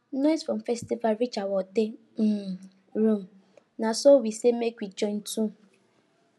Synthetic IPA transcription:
nɔjsfɔ̃mfɛstivalɾit͡ʃawɔte | ɾum̩ | nasowisemekʷit͡ʃɔn̩tũ

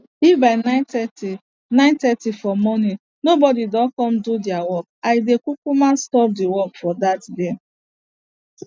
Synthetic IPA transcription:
ifbaɪnaɪtɛti | nãɪntɛtifɔmɔni | nobɔdidɔkɔm̩dudɪawɔk̚aɪdekukumãnstɔp̚diwɔkfɔdatde

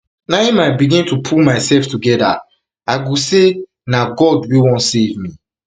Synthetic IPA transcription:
naimaɪbiɡĩntupʰulmaɪsɛlftuɡɛda̰ | aɡose | naɡɔdwiwɔ̃ntsevmi

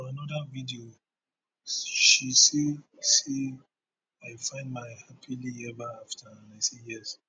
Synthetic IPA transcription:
anɔdavidio | ʃisese | aɪfãɪ̃ndmaɪhapʰilijɛbaaftʰãnaɪsejɛs

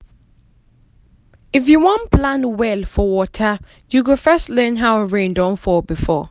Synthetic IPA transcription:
ɪfjuwɔ̃npʰlãnwɛlfɔwɔtʰə | juɡʊfɜstlɛ̃nɦaʊəɹẽɪ̃ndãnfɔbifɔ

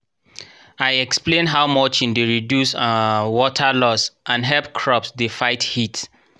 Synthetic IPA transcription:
ajɛksplẽnɦaʊmɔt͡ʃĩndeɹidjusəwɔtʰəlɔsãnɦɛlpkʰɹɔpsdefaɪthit

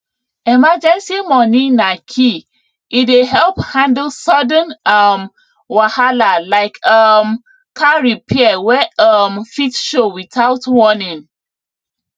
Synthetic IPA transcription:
ɛmad͡ʒɛ̃nsimɔnĩnakʰi | ʔideɦɛlphãndəl̩sɔdə̃nʌm | wahalalaɪkʰʌm | kʰaɹipʰiɛwɛʌmfitʃowiθaʊtwɔnĩŋ

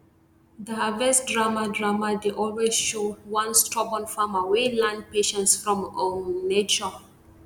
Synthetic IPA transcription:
dəhavɛsdɹamadɹamadeʔɔlwezʃowãnstɹɔbɔ̃nfamawelãn̚peʃɛ̃ntsfɹɔ̃monet͡ʃɔ

